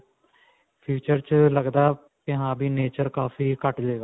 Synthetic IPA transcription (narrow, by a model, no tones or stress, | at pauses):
pʰuːt͡ʃəɾt͡ʃləɡd̪aː | kɪɦãːbiːneːt͡ʃəɾkaːfʰiːkəʈd͡ʒeːɡaː